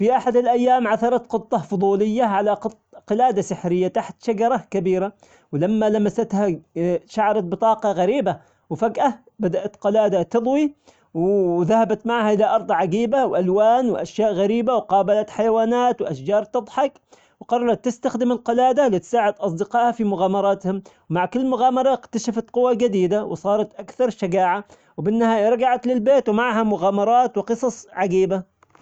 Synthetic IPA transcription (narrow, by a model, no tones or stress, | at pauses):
fiʔaħad̪ɪlʔajːaːmʕaθɑɾˤɑt̪qɨt̪ˤːɑfʊd̪ˤuːlɪjːaʕalaq | qɪlaːd̪asɪħɾɪjːat̪aħt̪ʃaɡɑɾˤɑkabiːɾa | wlamːalamasat̪haʃaʕɾˤɑt̪̚bɨt̪ˤɑːqɑɣaɾiːba | wfaɡʔa | bad̪aʔat̪qɑlaːd̪at̪ɨd̪ˤwi | wðahabat̪maʕhaʔɪlaʔɑɾˤd̪ˤʕaɡiːbawʔalwaːnwʔaʃjaːʔɣaɾiːbawqɑːbalat̪ħajawaːnaːt̪wʔaʃd͡ʒɑːɾˤt̪ɨd̪ˤħɑk | wqɑɾˤɑɾˤɑt̪ːɪst̪axd̪ɪmɪlqɑlaːd̪alɪt̪saːʕɪd̪ʔɑs̬ˤd̪ɪqɑːʔhafimʊɣaːmɑɾˤɑːt̪hʊmwmaʕkɪlːmʊɣaːmɑɾˤɑʔɪkt̪aʃafat̪qʊwːad͡ʒad̪iːd̪awɪ̰sˤɑːɾˤɑt̪ʔakθɑɾˤʃaɡaːʕa | wbɪnːahaːjaɾˤɑɡaʕat̪lɪlbeːt̪wmaʕɦamʊɣaːmɑɾˤɑːt̪wɪqɨsˤɑsˤʕaɡiːba